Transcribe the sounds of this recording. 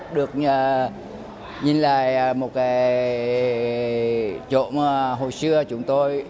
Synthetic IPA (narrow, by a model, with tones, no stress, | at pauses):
ɗɨ˨˩ək̚ɲəː˨˩ | ɲi˨˩nla̰ː˧˨jmo˨˩t̚kaː˨˦j | t͡ɕo̰˧˨maː˨˩ɦo˨˩jsɨ˧ət͡ɕʊ˨˦ŋ͡mt̪o˧j